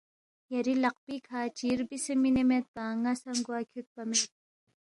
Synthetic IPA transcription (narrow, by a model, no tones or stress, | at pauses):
jɐɾilɐq̚pikʰaːt͡ʃiɾbisemːinemet̪̚baːŋasɐŋɡuakʰjut̪̚pɐmel